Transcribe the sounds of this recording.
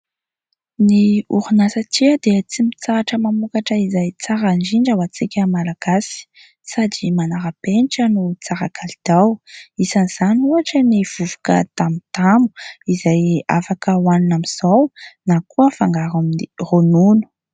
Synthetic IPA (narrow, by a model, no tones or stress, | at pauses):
niuɾunasat̪iad̪eət͡simit͡saaʈ͡ʂəmamukaʈ͡ʂəizajt͡saɾand͡ʒiɳɖ͡ʐawat͡sikʲəmalaɡ̥asi̥ | sad̪imanaɾapeniʈ͡ʂənut͡saɾakʰalid̪̥awisaniz̥anuaʈ͡ʂəniv̥uvu̥kə̰t̪amit̪amu̥izaja̰fakəwaninamiz̥awnakuəfaŋɡaɾaminironunu̥